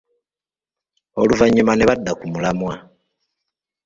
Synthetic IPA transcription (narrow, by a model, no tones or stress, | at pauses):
oluvaɲːumaneβadːakumulamwa